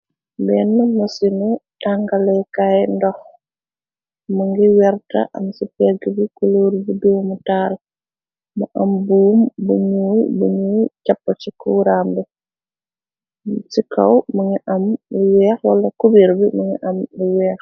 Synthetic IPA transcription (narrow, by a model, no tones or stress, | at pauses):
bɛːnːmɐsinitaŋɡɐlɛkajndɔx | muŋɡiwɛrtɐ̰ʔɐmsipɛɡibikuluːɾbiduːmutaːl | mɐʔɐmbuːmbuɲuːjbuɲuːcɐpːɐt͡ʃikuɾambɛ | sikɐwmɐŋiʔɐmiwɛːxwɐlɐkubiɾbimuŋiʔɐmbiwɛːx